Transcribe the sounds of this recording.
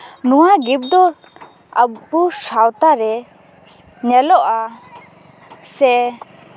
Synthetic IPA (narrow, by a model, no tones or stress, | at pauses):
nuaɡip̚d̪ɔ | ʔapusawt̪aɾe | ɲalɔʔa | sɛ